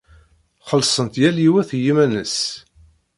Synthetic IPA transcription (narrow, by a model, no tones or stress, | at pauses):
χəlsˤənt̪jæliwæθjimænəs